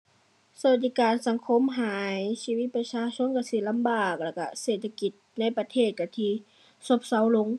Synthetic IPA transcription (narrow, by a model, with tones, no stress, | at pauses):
sa˧a˧˩t̪̚diː˧˩kaː˨nsa˨˦ŋkʰo˧˥˨mɦaː˨˦jsiː˧wi˧˥t̪̚pa˧saː˧˥sʰo˧˥˨nka˧˩si˧˩˨la˧˥mbaː˨˩k̚la˧˩ka˧˩seː˨˩t̪ʰːa˧ki˧t̪̚na˧˥˨jpa˧t̪ʰeː˧˩t̪̚ka˧˩t̪ʰiː˧ | so˧˥˦p̚sa˧˩wlo˧˥˨ŋ